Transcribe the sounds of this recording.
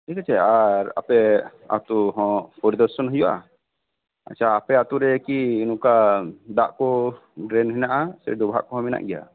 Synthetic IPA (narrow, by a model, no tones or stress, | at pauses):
ikat͡ʃɛaɾa̰pɛ | a̰t̪uɦɔ̃pɔɾd̪ɔɾsɔnɦɔjɔʔa̰ | a̰t͡ʃʰaːpɛat̪uɾɛkiːnũkad̪aʔkɔ | ɖɾɛnɦɛnaʔasɛɾɛd̪ɔbɦa̰ʔkɔɦɔ̃mɛna̰ʔɡɛja̰